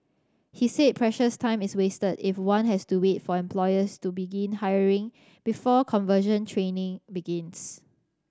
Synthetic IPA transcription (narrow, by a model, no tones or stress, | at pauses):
hised̚pʰɹɛʃəstʰãɪ̃mɪswestədifwãnɦɛstuwetfɔɛ̃mpʰlɔɪəstubiɡĩnhaɪəɹɪ̃ŋ | b̥ifɔkʰɔ̃nvəʃə̃ntʰɹẽnɪ̃ŋbiɡɪ̃ns